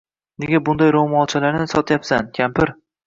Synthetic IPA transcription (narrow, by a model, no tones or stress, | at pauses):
neɡʲabʊnd̪ajɾomɒt͡ʃʰalaɾnɪsɒt̪ʰjapsankʲʰampɪɾ